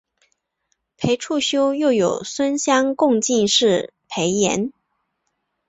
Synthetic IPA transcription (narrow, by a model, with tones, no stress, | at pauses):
pʰe˧˥ɪʈ͡ʂʰu˥˩ɕjo˥ʊjo˥˩ʊjo˨˩ʊswə˥nɕjɑ˥ŋkʊ˥˧ŋt͡ɕi˥˧nʂɻ̩˥˩pʰe˧˥ɪjɛ̰˧˥n